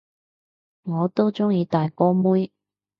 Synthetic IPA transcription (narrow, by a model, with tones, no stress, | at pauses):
ŋɔː˨˧t̪o˥wt͡sʊ˥ŋjiː˨˧t̪aː˨jkɔː˥muː˥j